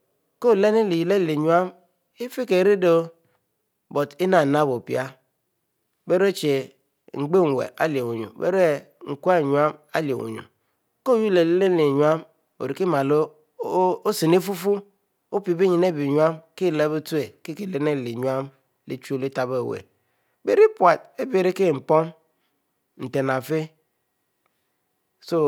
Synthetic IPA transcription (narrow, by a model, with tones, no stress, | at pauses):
ko˦˨le˦ne˦li˨ji˨le˦˨le˨ɲu˨˦a˦m | i˦fi˦ke˨ɾi˦do˦ | bo˨ti˦na˨na˦˨bo˨pḭ˦a˦ | be˦ɾe˦˨t͡ʃe˨ | ŋ͡m̩˨ɡ͡be˦˨ŋ˨wḛ˨ʔa̰˦li˨e˨wo˨ɲṵ˨bḛ˦ɾe˦ | ŋ̩˨ku˦a˦˨ɲu˨˦a˦ma̰˦li˨ḛ˨wṵ˨ɲṵ˨ | ko˦˨ju˦le˨le˦le˦n˦li˨ɲu˨˦a˦m | o̰˨ɾi˨ki˦ma˨lo˦ | o˦si˨ne˦fu˦fu˦ | o˦pi˨˦be˦ɲi˨ne˦˨bi˨ɲu˦a˦mki˦˨la˨˦be˦tu˦e˨ki˦ke˦le˨ne˦˨li˨ɲu˦a˦m | lḛ˦t͡ʃo˦˨li˦ta˨be˦˨wḛ˨ | be˦ɾi˦pwa˨t̚e˦be˨ɾi˦ke˦˨ŋ͡m̩˨po˦m | n̩˨te˨na˨fe˦ | so˦